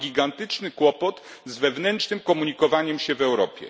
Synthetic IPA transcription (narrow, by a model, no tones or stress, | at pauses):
ɡʲiɡant̪ɘt͡ʂnɘkwɔpɔt̪zvɛvnɛntnɘmkɔmuɲikɔvaɲɛmɕɛvɛwɾɔpʲjɛ̰